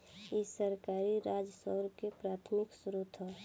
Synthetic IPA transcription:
isəɾkaːɾiɾaːd͡ʒsəɾkepɾaːt̪ʰmɪksɾut̪ʰɦɔ

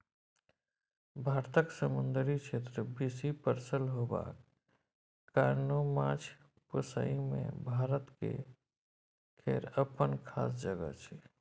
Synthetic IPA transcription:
bʱaɾt̪əksəmund̪əɾit͡ʃʰet̪ɾəbisipəɾsəlɦoba̰k | kaɾnomãt͡ʃʰ | pəsə̰imḛ̃bʱaɾət̪kḛ | kʰeɾəpənkʰa̰ːs̬d͡ʒəɡə̰t͡ʃʰɛ

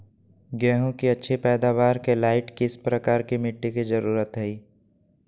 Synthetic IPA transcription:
ɡɛːɦõkiɐtːʃʰepɛːd̪aːʋaːɾkelaːɪʈkiɪspɾɐkaːɾkimɪʈːikizɐɾuːɾət̪ɦɛiː

